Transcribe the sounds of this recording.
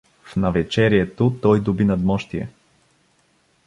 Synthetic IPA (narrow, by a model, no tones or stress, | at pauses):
fnɐvɛt͡ʃɛɾiɛt̪ot̪ɔjd̪ʊbinɐd̪mɔʃt̪iɛ̰